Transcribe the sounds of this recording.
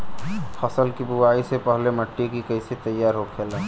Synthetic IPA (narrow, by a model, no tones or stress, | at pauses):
fʰɐsəlkibuwaːisepəɦleməʈːikikəɪset̪əjːaːɾɦokʰeːla